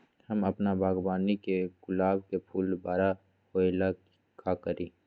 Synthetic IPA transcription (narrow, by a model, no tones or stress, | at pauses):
həmɐpnabʱaːɡbaːnikeɡʊlaːbkepʰuːlbaːɾa | hoːela | kʰakəɾĩː